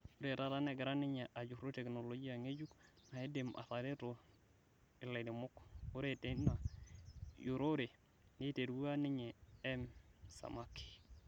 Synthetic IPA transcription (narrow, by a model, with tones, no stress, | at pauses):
u˦ɾe˨ɾa˦˨ɾa˦ne˦ɡi˨ɾa˦ni˦ɲe˨ʔa˨d͡ʒu˨kɾo˦te˨kno˨lo˨d͡ʒi˦ja˨ŋe˦d͡ʒu˦kna˨e˦de˨mʔa̰˨ta˨de˦ɾo˨ | i˨la˨di˨mo˦ku˦ɾe˦te˦na˨ | ju˨ɾo˦ɾe˨ | ni˦te˨ɾwu˦a˦ni˦ɲe˨e˦msa̰˨ma˦ki̥˨